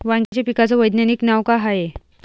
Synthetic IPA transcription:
ʋaŋɡat͡ɕepikat͡səʋəjd̪njaniːknaʋkaɦae

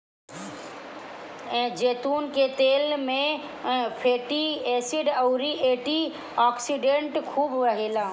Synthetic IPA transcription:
ɛ̃ːd͡ʒeːt̪uːnket̪eːlmẽ | pʰeːʈiɛːsiɖɐuɾiʔeːʈi | aːksiɖẽɳʈkʰuːbʋɐɦelaː

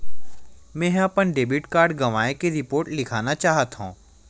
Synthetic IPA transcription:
mɛ̃ːɦɐpənɖeːbɪʈkaːɾɖɡɐʋaːekeɾɪpoːɾʈlɪkʰaːnat͡ʃaːɦət̪ɦṵ̃ː

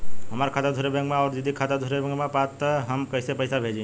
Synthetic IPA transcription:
ɦəmaɾkʰad̪ad̪ʱuɾebɛ̃ŋkmẽɔːɾd͡ʒəd̪ʱikʰad̪ad̪ʱuɾebɛ̃ŋkmẽpat̪əɦəmkəjsepəjsabʱed͡ʒĩ

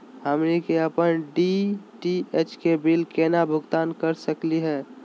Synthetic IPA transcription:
həmnekeəpənɖiʈiet͡ʃkebɪlkeːnabʱʊɡt̪aːnkəɾsəkliɦɛː

